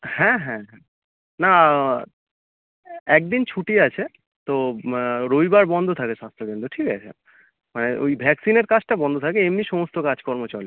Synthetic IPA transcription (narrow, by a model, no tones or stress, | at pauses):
hɛ̃ɦɛ̃ɦɛ̃ | na | ɛk̚d̪int͡ɕʰuʈiat͡ɕʰe | t̪o | ɾojbaɾbɔnd̪ʱot̪ʰakeʃast̪ʰɾobent̪oʈʰika̰t͡ɕʰḛ | maneojbʱɛksineɾkat͡ɕʈabɔnd̪ʱot̪ʰakeemniʃɔmost̪okad͡ʑkɔɾmot͡ɕaɾli